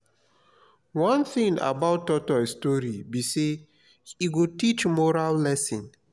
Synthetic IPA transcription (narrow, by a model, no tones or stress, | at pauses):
wãnθĩŋa̰baʊtːɔtɔstɔɹibise | iɡotit͡ʃmɔɾallɛsĩn